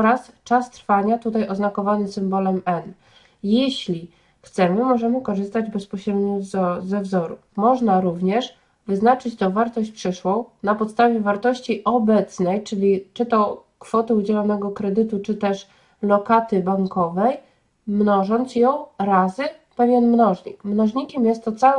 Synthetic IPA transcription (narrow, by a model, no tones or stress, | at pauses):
ɔɾas | t͡ʂast̪ɾfaɲat̪ut̪ajʔɔznakɔvanɘsɘmbɔlɛmɛn | jeɕlʲi | xt̪sɛmɘmɔʐɛmɘkɔʐɘst̪ad͡ʑbɛspɔɕɾɛd̪ɲɔzzɛvzɔɾumɔʐnaɾuvɲɛʂ | vɘznat͡ʂɘt͡ɕt̪ɔvaɾt̪ɔɕt͡ɕpʂɘʂwɔ̃w̃napɔt̪st̪avʲjɛvaɾt̪ɔɕt͡ɕiʔɔbɛt̪snɛjt͡ʂɘlʲit͡ʂɘt̪ɔ | kfɔt̪ɘud͡ʑɛlɔnɛɡɔkɾɛd̪ɘt̪ut͡ʂɘt̪ɛʂ | lɔkat̪ɘbaŋkɔvɛj | mnɔʐɔnt̪sjɔ̃w̃ɾazɘpɛvʲjɛnmnɔʐɲikmnɔʐɲikʲɛmjɛst̪ːɔt̪sawɛ